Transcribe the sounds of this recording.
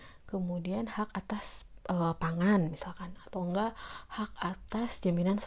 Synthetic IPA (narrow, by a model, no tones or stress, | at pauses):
kəmudianhakat̪asʔəpaŋanmisalkanat̪awŋɡaʔhak̚at̪asd͡ʒaminans